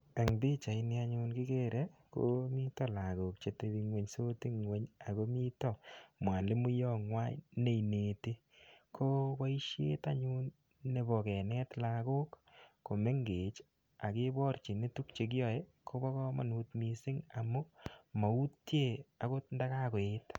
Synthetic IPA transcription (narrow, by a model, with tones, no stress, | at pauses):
e˨ŋbi˦t͡ʃa˨i˨ni˦a˦ɲu˦nkɪ˦ke˦ɾe˦ko̰mi˦tɔ˦la˨ko˨k̚t͡ʃe˨te˨bi˨ŋwe˨ɲso˦ti˦ŋwe˦ɲa˨ko˦mi˦tɔ˦mwa˨le˦mu˦jɔ˦ŋwa˦jne˦˨i˨ne˨te˦ | kʰo˦ba˦i˦ʃjḛ˦ta˦ɲu˦nː | e˨bɔ˨kɛ˨nɛ˦tla˨ko˦k | ko˨me˦ŋɡe˨t͡ʃ | a˨ke˦bɔ˦ɾt͡ʃi˨ne˦tu˦kt͡ʃe˨k̬i˦ɔ˨je˦kʰo˦bɔ˦kɔ˦ma̰˨nu˨tmi˨si˦ŋa˨mu˦ma˨u˦tje˦˨a˨ko˦nda˦ka˦ko˨e˦t